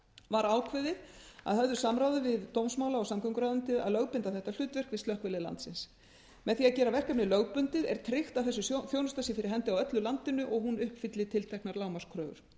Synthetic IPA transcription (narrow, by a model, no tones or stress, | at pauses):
vaɾaːwkʰvɪðɪða̰ðhœvðʏsamɾaːwðʏvɪðt̪owmsmaːwlaɔsamkʰœŋkɾaðʏnt̪ɪa̰ðlœːɣpɪnt̪aθɛht̪al̥ʏːt̪vɛr̥kvɪðst̪œhkvɛlɪla̰nt̪sɪ̰ns | mɛðθiaðcɛːɾavɛr̥kapnɪlœɣpʏnt̪ɪðɛ̰ɾ̥t̪ʰɾɪxt̪awθɛsːʏsθjoːwnʏst̪asɪfɪɾɪɾɦɛnt̪ɪawœt̪lʏlant̪ɪnʏʔɔɣhunʏhpfɪt̪lɪt̪ʰɪlt̪ʰɛhknaɾlaːwmḁskʰɾœːɣʏ̰ɾ̥